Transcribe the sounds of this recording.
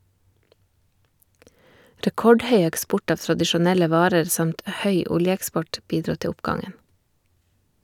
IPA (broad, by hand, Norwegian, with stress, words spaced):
ɾɛˈkɔɖˌhœʏ ɛkˈspʊʈ ˈɑːʋ tɾɑdɪʃʊˈnɛlə ˈʋɑːɾəɾ ˈsɑmt ˈhœʏ ˈʊljəɛkˌspɔʈ ˈbiːdɾuː ˈtɛ ˈʊpɡɑŋən